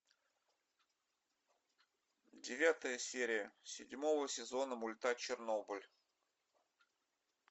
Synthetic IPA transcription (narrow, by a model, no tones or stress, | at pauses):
dʲɪvʲat̪əjəsʲeɾʲɪjəsʲɪdʲmovəsʲɪzo̞nəmʊlʲt̪at͡ɕɪrnobɨlʲ